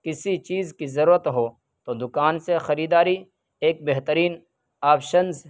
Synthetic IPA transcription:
kɪsit͡ʃiːzkizɐɾuːɾət̪ɦoː | t̪oːd̪ʊkaːnsexɐɾiːd̪aːɾi | eːk̚beɦt̪əɾiːn | aːpʰʃənz

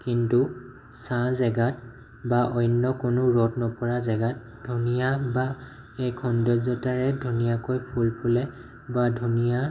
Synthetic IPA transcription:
kintu | sãzɛɡat̚ | baʔɔjnːɔkʊnʊɹɔtnɔpɔɹazɛɡat̚ | dʱunijaba | ɛkʰɔndɔzɔtaɹɛdʱunijakojpʰulpʰulɛ | badʱunija

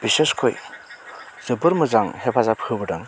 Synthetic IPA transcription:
b̥iseskʰoj | z̥ɯbɯɾmɯzaŋhepʰazapʰɯbɯdaŋ

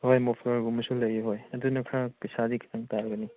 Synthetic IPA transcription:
hojmopʰlɐɾɡumɐsulɐjeɦojɐdunɐkʰɾapisadikʰi̥tʰaŋtaɾɡɐni

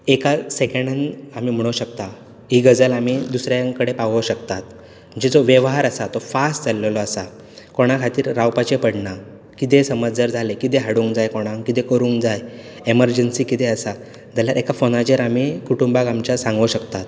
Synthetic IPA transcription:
ekasekeɳɖənam̤iːm̤əɽ̃oɕək̚t̪a | ɦiɡəd͡zəlamid̪usɾjãŋkəɽepaʋəɕəkt̪at̪ | əd͡ʑed͡zoʋjeʋɦaɾəsat̪ofasʈd͡zalelɔəsa | koɽ̃akʰat̪iːɾːawpat͡ɕepəɽna | kit̪̬esəməd͡zd͡zəɾd͡zʱalekit̪̬eɦaɽuːŋkd͡zajkoɽ̃ãŋkkit̪ekəɾũŋɡd͡zaj | eməɾd͡ʑənsiːkit̪eəsa | d͡zaljaɾekafonad͡ʑeɾam̤ikuʈumbaɡamt͡ɕasãŋɡəɕəkt̪at̪

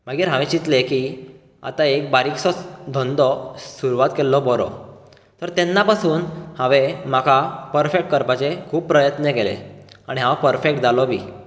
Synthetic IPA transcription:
m̤aɡiːɾɦãʋẽt͡ɕit̪leki | a̰t̪aek̚baɾiksɔd̪ʱɔ̃nd̪ɔsuɾuʋat̪kelːɔbɔɾɔ̰ | t̪əɾt̪ɛnːapasuːnhãʋem̤akʰapəɾfek̚ʈ̚kəɾpat͡sekʰuːppːɾəjət̪nəkelḛaɽ̃iɦãwpəɾfek̚ʈd͡zalɔbʱiː

